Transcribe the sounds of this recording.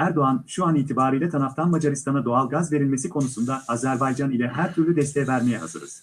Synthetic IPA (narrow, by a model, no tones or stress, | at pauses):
æɾd̪o̞anʃuaniːt̪ʰibaːɾɯjlʲɛt̪ʰanaft̪ʰanmad͡ʒaɾist̪ʰanad̪o̞alˠɡazve̞ɾilʲme̞sikʰo̞nusund̪aazæɾbajd͡ʒanilʲɛɦæɾt̪ʰyɾlʲyd̪ɛst̪ʰejɛvæɾmejɛɦa̰zɯ̰ɾɯ̰z̥